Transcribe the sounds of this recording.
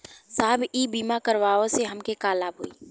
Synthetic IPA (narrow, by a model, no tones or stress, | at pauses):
saːbiːbiːmakɐɾʋaːõseɦɐmkekaːlaːbɦoːiː